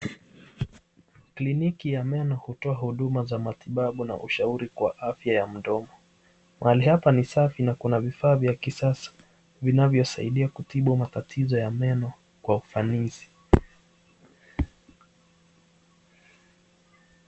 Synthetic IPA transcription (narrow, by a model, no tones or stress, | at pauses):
klinikijamɛnɔhutɔahuɗumazamatiɓaɓuna̰ʔṵʃauɾikwa̰ʔafjajam̩dɔmɔ | mʔahalihapanisafinakunavifaːvjakisasḁ | vinavjɔsaiɗiakutiɓumatatʰizɔjamɛnɔ | kwaufanizi̥